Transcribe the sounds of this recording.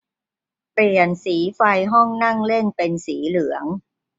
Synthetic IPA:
pli˨˩ənsiː˩˦fa˧jɦɔ˥˩ŋna˥˩ŋle˥˩npe˧nsiː˩˦lɯ˩˦əŋ

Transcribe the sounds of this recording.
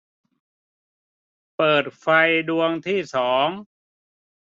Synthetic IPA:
pɤː˨˩t̪̚fa˧jdu˧əŋt̪ʰiː˥˩sɔː˩˦ŋ

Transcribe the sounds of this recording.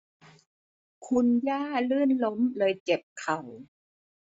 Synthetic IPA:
kʰu˧njaː˥˩lɯː˥˩nlo˦˥mlɤː˧jt͡ɕe˨˩p̚kʰa˨˩w

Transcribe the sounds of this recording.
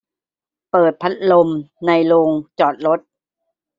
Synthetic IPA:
pɤː˨˩t̪̚pʰa˦˥t̪̚lo˧mna˧jloː˧ŋt͡ɕɔː˨˩t̪̚ɾo˦˥t̪̚

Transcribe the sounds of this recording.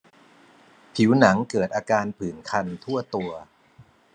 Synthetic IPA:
pʰi˩˦wna˩˦ŋkɤː˨˩t̪̚ʔaː˧kaː˧npʰɯː˨˩nkʰa˧nt̪ʰu˥˩ɐt̪u˧ɐ

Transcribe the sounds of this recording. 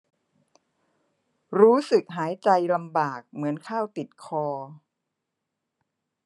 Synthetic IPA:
ɾuː˦˥sɯ˨˩k̚ɦaː˩˦jt͡ɕa˧jla˧mbaː˨˩k̚mɯ˩˦ənkʰaː˥˩wt̪i˨˩t̪̚kʰɔː˧

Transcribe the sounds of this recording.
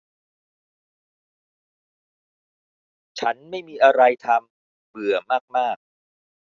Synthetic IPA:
t͡ɕʰa˦˥nma˥˩jmiː˧ʔa˧ɾa˧jt̪ʰa˧m | bɯ˨˩ɐmaː˥˩k̚maː˥˩k̚

